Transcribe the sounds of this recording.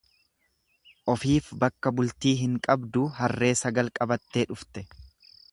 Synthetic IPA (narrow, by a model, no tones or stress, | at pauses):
ʔɔfiːfbɐkːɐbʊlt̪iːɦɪŋkʼɐbd̪ʊɦɐrːe̞ːsɐɡɐlkʼɐbɐt̪ːeːᶑʊft̪ɛ